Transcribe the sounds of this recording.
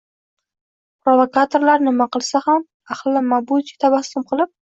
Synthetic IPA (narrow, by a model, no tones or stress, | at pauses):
pɾovakat̪ʰoɾlaɾnɪmaqɨlˠsaham | aχlːamabud͡ʒi̥t̪ʰabasʊmqʰɨlˠɪp̚